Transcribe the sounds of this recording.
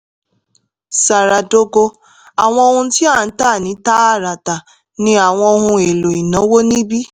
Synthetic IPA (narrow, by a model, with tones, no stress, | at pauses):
sa˨ɾa˨do˦ɡo˧ | a˨w̃ɔ̃˧o˦hʊ̃˧n̩˦ti˦a˦˨n̩˦ta˦˨nĩ˨˦ta˦a˦˨ɾa˨ta˨ | nĩ˦a˨w̃ɔ˧˦ɦʊ̃˧e˨lo˨i˨no˨˦wo˦nĩ˦bi˦